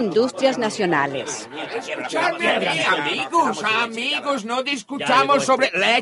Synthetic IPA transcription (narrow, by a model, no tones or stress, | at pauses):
ind̪ust̪ɾjaznasjona̰lḛs | esut͡ʃaɾmamiɣosmiɣoznod̪iskut͡ʃamosːoβɾele